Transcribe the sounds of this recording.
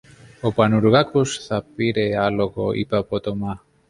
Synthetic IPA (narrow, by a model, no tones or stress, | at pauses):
opanuɾɣakusθapiɾealoɣoḭpapot̪oma